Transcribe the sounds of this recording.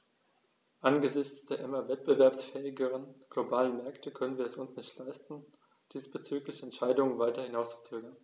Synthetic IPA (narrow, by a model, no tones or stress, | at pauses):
ʔanɡəzɪçt͡sd̥eːɐʔɪmɐvɛt̚b̥əvɛɐpsfɛːɪɡəʁ̞ənɡ̥lobaːlənmɛɐktʰəkʰœnənviːɐɛsʊnsnɪçtlaɪstn̩ | d̥iːsb̥ət͡syːklɪçɛntʃaɪdʊŋənvaɪtɐhɪnaʊst͡su̥t͡søːɡɐn